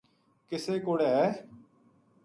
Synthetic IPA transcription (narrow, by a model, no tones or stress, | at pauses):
kɪseːkoːɽeːɦɛː